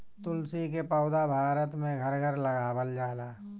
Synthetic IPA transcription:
t̪ʊlsik̬epəːd̪abʱaːɾət̪mẽɡʱəɾɡʱəɾləɡaːbəld͡ʒaːlaː

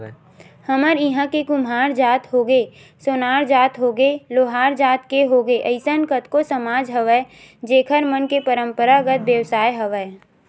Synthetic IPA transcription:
həməɾɪɦãkekʊmɦaːɾd͡ʒaːt̪ɦoːɡeː | soːnaːɾd͡ʒaːt̪ɦoːɡeloːɦaːɾd͡ʒaːt̪keɦoːɡeʔəɪsənkət̪kosəmaːd͡ʒɦəʋɛ | d͡ʒeːkʰəɾmənkepəɾə̃mpəɾaɡət̪ʋjəʋsaːjɦəʋɛː

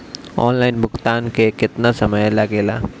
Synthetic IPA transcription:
ɔ̰ːnlaːɪnbʱʊxt̪aːnkekɪt̪nasɐməjlaɡeːla̰ː

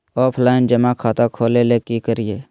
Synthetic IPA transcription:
ɔːpʰlaːɪnd͡ʒəmakʰaːt̪akʰoːleːleːkikəɾɪjeː

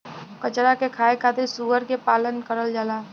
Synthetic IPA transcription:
kət͡ʃɾakekʰaːekʰaːt̪ɪɾsuːʋəɾkepaːlənkəɾəld͡ʒaːlaː

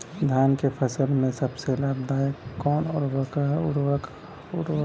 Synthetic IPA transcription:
d̪ʱjaːnkepʰəsəlmẽsəbselaːbd̪aːəkɔːnɔɾʋəkʊɾwək | ʊɾ

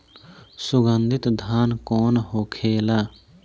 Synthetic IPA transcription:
sʊɡənd̪ʱɪt̪d̪ʱaːnkoːnɦoːkʰeːla

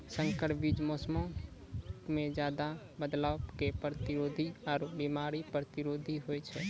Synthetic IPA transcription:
sə̃ŋkəɾbid͡ʒmoːsmõ | mẽd͡ʒjaːd̪a | bəd̪laːwkepɾət̪ɪɾoːd̪ʱiɔːɾbimaːɾipɾət̪ɪɾoːd̪ʱiɦoːjt͡ʃʰɛ

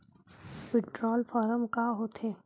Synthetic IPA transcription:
pɪʈɾɔːlfɔːɾəmkaɦoːt̪ʰeː

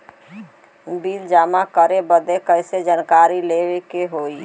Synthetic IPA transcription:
bild͡ʒaːmakəɾebəd̪ekəɪsed͡ʒankaɾilewekeɦoi

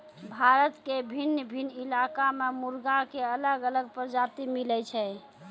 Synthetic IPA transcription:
bʱaɾət̪kebʱinːəbʱinːilakamemuɾɡakeələɡələɡ̚pəɾd͡ʒat̪imilɛt͡ʃʰɛ

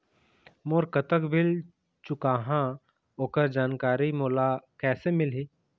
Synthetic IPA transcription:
moːɾkət̪əkbʱɪl | t͡ʃʊkaːɦã | oːkəɾd͡ʒaːnkaːɾimoːlakɛːsemɪlɦiː

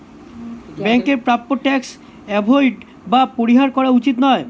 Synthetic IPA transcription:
bɛŋkeɾpɾapːoʈɛks | ɛbʱojʈ | bapoɾiɦaɾkɔɾaut͡ɕit̪nɔe

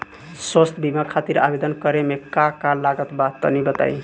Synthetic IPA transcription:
swəst̪ʰbimakʰat̪iɾa̰bed̪ənkəɾemekakalaɡət̪bat̪ːə̰nibət̪a̰j

